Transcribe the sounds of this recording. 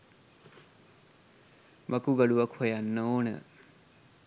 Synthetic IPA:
mɐkuɡɐɖuʋɐkʰojanːəoːnə̰

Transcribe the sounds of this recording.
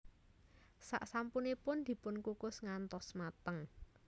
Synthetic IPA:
sa̰ʔsampunipʊnd̪̥i̤pʊnkukʊsŋant̪ɔsmat̪əŋ

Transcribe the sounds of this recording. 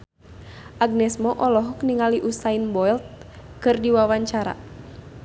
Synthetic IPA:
ʔaɡ̚nɛsmɔʔɔlɔɦuk̚niŋaliʔusainbɔilt̪̚kɨrdiwawaɲt͡ʃaɾa̰

